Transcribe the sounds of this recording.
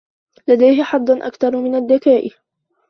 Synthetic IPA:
lad̪ajɦɪħɑd̪ˤːɑnʔa̰kt̪ɑɾˤmɪnad̪ːakaːʔ

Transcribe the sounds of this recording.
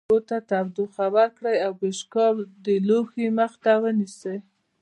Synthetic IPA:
ot̪at̪abd̪uxabaɾkɽəjawbeʃkɑld̪əloxeməxt̪awənisəj

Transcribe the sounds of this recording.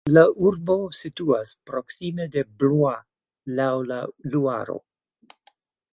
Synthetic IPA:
laʔuɾbo̞situaspɾoksimedeblua | lawlalua̰ɾo̰

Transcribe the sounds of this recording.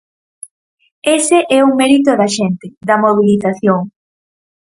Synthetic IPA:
eseʔɛuŋmɛɾit̪̬oðɐʃent̪ɪd̪ɐmoβ̞iliθaθjoŋ

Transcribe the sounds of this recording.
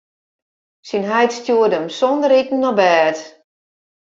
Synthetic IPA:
sinɦɛjtstjuədəmsɔndəɾitn̩nɔbɛːt

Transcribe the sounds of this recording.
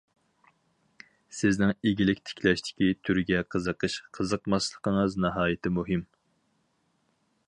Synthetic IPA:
sɪznɪŋeɡʲilɪkʲt̪ʰɪ̥kʲʰlɛʃt̪ʰɪ̥kʲit̪ʰyɾɡʲɛqʰəzəqʰəʃqʰəzəqmɑslˠəqʰəŋɨznɑɦɑːjɪt̪ʰɪmuɦɨm

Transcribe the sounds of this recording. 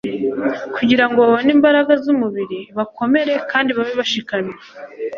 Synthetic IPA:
kʰuɟiɾaŋɡo̞βaβoniːmbaɾaɡazumuβiɾiβakʰo̞me̞ɾe̞kaːndiβaβeβaʃikame

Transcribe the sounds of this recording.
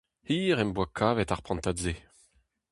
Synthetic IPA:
hiːʁɛmbwakʰaːvɛt̪aʁpχɑ̃nt̪adze

